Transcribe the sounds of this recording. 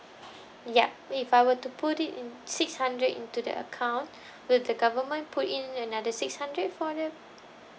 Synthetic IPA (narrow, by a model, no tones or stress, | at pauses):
jɛpifajwətuputitĩnsɪkshãndɹətḭ̃ntudə̰ʔə̰kʰãw̃n | wɪldəɡavəmə̃npʰutĩnənadəsɪkshãndɹət̚fɔdɛ̃m